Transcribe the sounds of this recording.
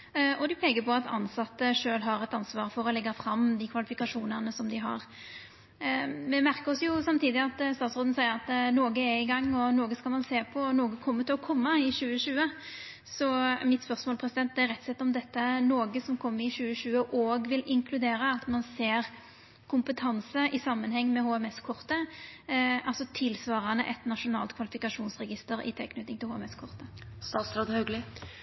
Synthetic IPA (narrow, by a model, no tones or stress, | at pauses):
ʔɔd̪ɪpʰeːkəɾpʰɔɑt̪ʰɑ̰nsɑt̪ːəʂøːlɦɑɾɛt̪ɑnsʋɑːʁfɔɾɔlɛɡːɑfɾɑmːd̪ɪkʰʋɑlɪfɪkɑʂuːnənəsɔmd̪ɪɦɑ̰ʁ | mɛmæɾkəɔsjʊsɑmt̪iːd̪ɪɑt̪st̪ɑːt̪sɾoːd̪n̩sæɪəɾɑt̪noːɡəɛɪɡɑŋːɔnoːɡəskɑlmɑnseːpʰɔnoːɡəkʰɔmːət̪ʰɪlɔkʰɔmːəɪɕʉːəɕʉːə | sɔmɪt̪spœʁsmoːlpʰɾɛsɪd̪ɛnt̪d̪ɛæɾɛt̪sɛt̪ːɔmd̪ɛt̪ːənoːɡəsɔmkʰɔmːəɪɕʉːəɕʉːəʔoːɡʋɪlɪŋkʰlʉd̪eːɾəɑt̪mɑnseːʁ | kʰʊmpət̪ʰɑnsəʔɪsɑmːənhɛŋːmɛhoːɛmɛskʰʊʁt̪ə | ɑlsɔt̪ʰɪlsʋɑːʁɑnəʔɛt̪nɑʂʊnɑ̰ːlt̪kʰʋɑlɪfɪkɑʂuːnsʁɛɡɪst̪əɾɪ̰t̪ʰḛknʉt̪ɪŋt̪ʰɪlhoːɛmɛskʰʊʁt̪əst̪ɑːt̪sɾoːd̪hœɡlɪ